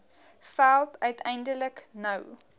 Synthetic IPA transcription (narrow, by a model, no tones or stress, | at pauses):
fælˠtʰœɥtʰɛjndələknəw